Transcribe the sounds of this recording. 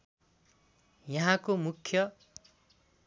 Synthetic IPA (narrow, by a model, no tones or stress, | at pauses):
jʌɦãkomukʰjʌ